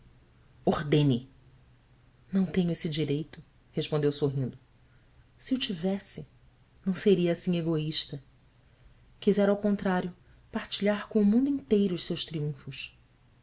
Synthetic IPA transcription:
ohd̪ẽnɪ | nɐ̃w̃t̪ẽɲʊesɪd͡ʒiɾejt̪ʊ | heʃpõnd̪ewsoɦĩnd̪ʊ | siewt͡ʃivɛsɪ | nɐ̃w̃seɾiɐːsĩɲeɡoiʃt̪ɐ | kizɛɾawkõnt̪ɾaɾjʊ | paɾt͡ʃiʎaɾkõʊmũnd̪uĩnt̪ejɾʊːʃsewʃt̪ɾiũfʊs

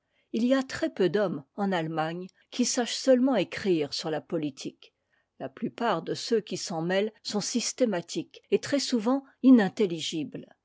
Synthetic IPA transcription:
iliat̪χɛpød̪ɔmɑ̃nalmaɲ | kʲisaʃsœlmɑ̃ekχiːʁsyʁlapɔlit̪ʰik | laplypaʁd̪əsøkʲisɑ̃mɛlsɔ̃sist̪emat̪ʰiket̪χɛsuvɑ̃inɛ̃t̪eliʒibl

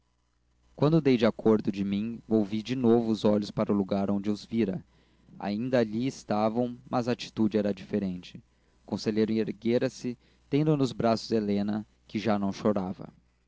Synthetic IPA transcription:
kwɐ̃nd̪ʊd̪ejd͡ʒɪakʰoɾd̪ʊd͡ʒɪmĩvowvid͡ʒɪnovʊːzɔʎʊspaɾɐʊluɡaɾõnd͡ʒɪʊzviɾɐ̰ | a̰ĩnd̪ɐaʎiɪst̪avɐ̃w̃mʔɐzaːt͡ʃi̥t̪ud͡ʒɪɛɾɐd͡ʒifeɾẽnt͡ʃɪ̥ | kõseʎejɾʊĩeɾɡeɾɐsɪ | t̪ẽnd̪ʊnʊzbɾasʊzelẽnɐ | kɪʒanɐ̃w̃ʃoɾavɐ̰

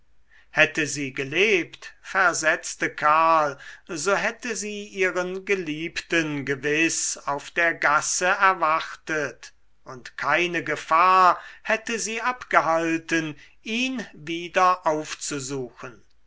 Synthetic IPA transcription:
hɛtəziːɡəleːptfɛɐzɛt͡stəkʰaːlzoːɦɛtəziːʔiːʁənɡəliːptənɡəvɪsaʊfd̥eːɐɡasəɛɐvaχtət | ʊntkʰaɪnəɡəfaːɐhɛtəziːʔapɡ̥əɦaltən | ʔiːnviːdɐʔaʊft͡suzuːxən

